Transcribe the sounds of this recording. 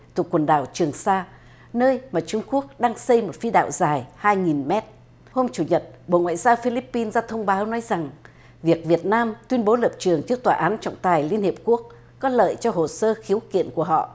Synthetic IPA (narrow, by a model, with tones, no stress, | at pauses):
t̪ʰu˨˩əkwə˨˩nɗaː˧˩wt͡ɕɨ˨˩əŋsaː˧ | nəː˧jmaː˨˩t͡ɕʊ˧ŋ͡mku˦˥ək̚ɗaː˧ŋsə˧jmo˨˩t̚fi˧ɗa̰ː˧˨wzaː˨˩jhaː˧jŋi˨˩nmɛ˦˥t̚ | ho˧mt͡ɕu˧˩ɲə˨˩t̚ɓo̰˧˨ŋwa̰ː˧˨jzaː˧wfi˧li˦˥pːi˧nzaː˧t̪ʰə˧wŋ͡mɓaː˨˦wnɔ˨˦jza˨˩ŋ | vi˨˩ək̚vi˨˩ət̚naː˧mt̪wi˧ənɓo˨˦lə˨˩p̚t͡ɕɨ˨˩əŋt͡ɕɨ˦˥ək̚t̪waː˨ʔaː˨˦nt͡ɕɔ̰˧˨wŋ͡mt̪aː˨˩jli˧ənhi˨˩əp̚ku˦˥ək̚ː | ɔ˨˦lə̰ː˧˨jt͡ɕɔ˧ɦo˨˩səː˧xi˨˦əwkḭ˧˨ənku˧˩əɦɔ̰˧˨ʔ